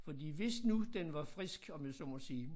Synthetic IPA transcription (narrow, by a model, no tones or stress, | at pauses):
fɒ̽d̥ḭːʋe̝snud̥enʋɑ̈fʁisɡ̥ɒ̽mjesɒmɒsiː